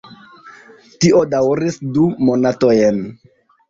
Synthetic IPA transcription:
tiʔodawɾisdumonatojen

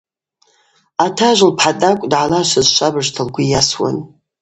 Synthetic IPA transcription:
atʰaʒʷlpʰħadʼakʷʼdʕalaʃɐzʃʷʰʼabɨʐtʰɐlɡʷʊjaswa̰n

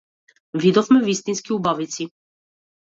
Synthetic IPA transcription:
vʲid̪ɔfmɛvʲist̪inskʲiubavʲit̪sʲi

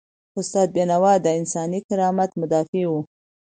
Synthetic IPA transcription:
ʊst̪ɑd̪̚benawɑd̪əɪnsɑnikɪɾɑmat̪mʊd̪ɑfiwu

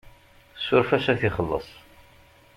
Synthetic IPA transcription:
sːʊɾfæsæθiχəlːə̰sˤ

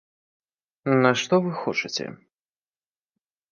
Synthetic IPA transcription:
nɐʂt̪ɔvɨxɔt͡ʂɨt͡sʲɛ̰

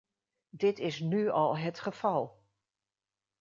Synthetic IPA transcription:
dɪtɪsnyɑlˠɦətχəv̥ɑlˠ

